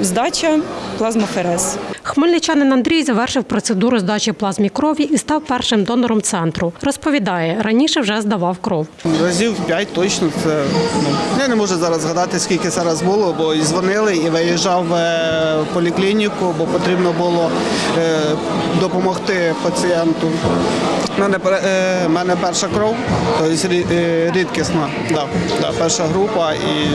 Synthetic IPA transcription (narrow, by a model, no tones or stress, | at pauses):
zd̪ɑt͡ʃɐplˠɑzmɔfeɾɛsxmɪlʲnɪt͡ʃɑnɪnɐnd̪ɾʲijzɐʋɛrʃɪwpɾɔt̪sed̪uɾʊzd̪ɑt͡ʃɪplˠɑzmʲikɾɔʋʲiʔist̪ɑwpɛrʃɪmd̪ɔnɔɾɔmt̪sɛnt̪ɾʊrɔspɔʋʲid̪ɑjɛɾɐnʲiʃɛwʒɛzd̪ɐʋɑwkɾɔwɾɐzʲiwpʲjatʲt̪ɔt͡ʃnɔt̪sɛnujɛnɛmɔʒɛzɑɾɐzɦɐd̪ɑt̪ɪsʲkʲilʲkɪzɑɾɐzbʊlˠɔbɔizʋɔnɪlˠɪiʋɪjɛʒɑwː | pɔlʲiklʲinʲikʊbɔpɔt̪ɾʲibnɔbʊlˠɔ | d̪ɔpɔmɔxt̪ɪpɐt͡sʲiɛnt̪ʊ | mɛnɛpmɛnɛpɛrʃɐkɾɔwt̪ɔjɪsʲɾʲiɾʲid̪kʲɪsnɑ | d̪ɑd̪ɑ̰pɛrʃɐɦɾupɐi